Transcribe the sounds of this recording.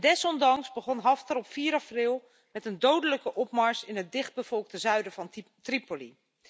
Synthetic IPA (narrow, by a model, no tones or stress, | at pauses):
dɛsɔndɑŋsbəχɔnɦɑftəɾɔpfiːɾɑfrɪlˠ | mɛtəndowdələkəʔɔpmaɹsɪnət̚dɪχd̚bəv̥ɔlˠk̚təzœɥdəvɑntripoli